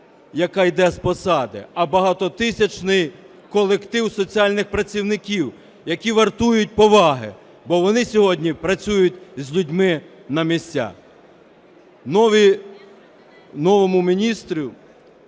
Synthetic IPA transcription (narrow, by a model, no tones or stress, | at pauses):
jɐkɑjd̪ɛspɔsɑd̪ɪ̰ɐbɐɦɑt̪ɔt̪ɪsʲɐt͡ʃnɪj | kɔlˠekt̪ɪwsɔt͡sʲiɑlʲnɪxpɾɐt͡sʲiwnɪkʲiw | jɐkʲiʋɐrt̪ujʊt̚ʲpɔʋɑɦɪ̰ | bɔʋɔnɪsʲɔɦɔdʲnʲipɾɐt͡sʲujʊt̚ʲzʲlʲʊdʲmɪ | nɐmʲisʲt͡sʲa̰ | nɔʋi | nɔʋɔmʊmʲinʲist̪ɾʲi